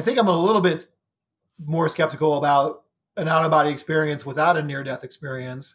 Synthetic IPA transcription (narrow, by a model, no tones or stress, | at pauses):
aɪθɪ̃ŋkãɪ̃məlɪɾl̩ˠbɪt̚ | mɔɹskɛp̚tɨkl̩ˠəbaʊɾ | ɨ̃nɑʊɾəbɑɾiɨkspɪɹiɨ̃nswəθaʊɾɨnɪɹdɛθɨkspɪɹiɨ̃ns